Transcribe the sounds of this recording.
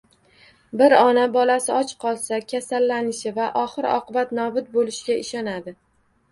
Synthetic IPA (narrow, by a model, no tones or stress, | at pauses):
bɪɾɒnabɒlasɪɒt͡ʃqʰɒlˠsakʲʰasalːanɪʃɪvaʔɒχɨɾɒ̰qɨbat̪nɒbʊt̪̚bolɪʃɪɡʲaɪʃɒnad̪ɪ